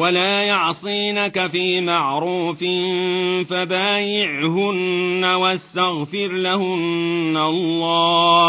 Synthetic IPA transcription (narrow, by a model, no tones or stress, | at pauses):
walaːjɑʕsˤiːnakafiːmaʕɾuːfɪfabaːjɪʕɦʊnːawast̪aɣfɪɾlahʊnːalˤːɑː